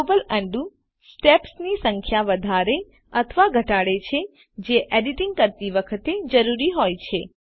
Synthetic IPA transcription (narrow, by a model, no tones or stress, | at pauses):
bəlɛ̃ɳɖu | sʈepsnisəŋkʰjaʋəd̪ʱaɾe | ət̪ʰəʋaɡʱəʈaɽet͡ʃʰe | d͡ʒeʔeɖiʈiŋɡ̚kəɾt̪iʋəkʰət̪ed͡ʒəɾuɾiɦojt͡ʃʰe